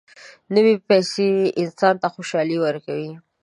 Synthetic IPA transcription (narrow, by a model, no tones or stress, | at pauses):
nəwepɛjseɪnsɑnt̪axoʃɑliwəɾkawi